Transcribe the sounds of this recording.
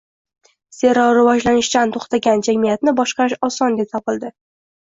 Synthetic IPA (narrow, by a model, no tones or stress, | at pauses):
se̞ɾɒwɾɪvɒd͡ʒlanɪʃt͡ʃant̪ʰoχt̪ʰaɡʲand͡ʒamijat̪nɪbɒʃqɑɾɪʃɒsɒnd̪epsɒpɪlˠd̪ɪ